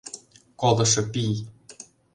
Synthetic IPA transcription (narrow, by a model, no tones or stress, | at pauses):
kolˠɤ̆ʃɤ̆pij